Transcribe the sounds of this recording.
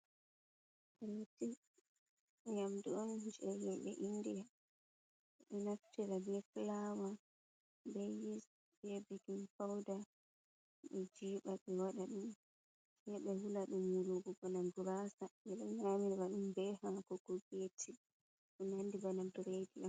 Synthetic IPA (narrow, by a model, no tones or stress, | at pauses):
ʔɛlati | ɲamdiɔnd͡ʒɛhimɓɛ̰ʔindija | ɗɛnaftiɾabɛflawa | bejis | bɛbɛɡinfawda | ɓɛd͡ʒiːɓaɓɛwaɗaɗum | sɛɓɛhulaɗumuɾuɡɔbanamduɾasamɛɗɔɲamiɾwaɗumbɛhamkɔɡ̥ɔɡetʰi | ʔunandibanamduɾediʔam